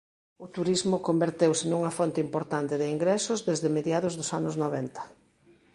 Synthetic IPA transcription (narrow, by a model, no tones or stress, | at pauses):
ʊt̪uɾizmʊkombeɾt̪ewsɪnuŋɐfɔnt̪ɪimpoɾt̪ant̪ɪðɪiŋɡɾɛsʊzðezðɪmeðjaðʊzðʊsanʊznoβɛnt̪ɐ̥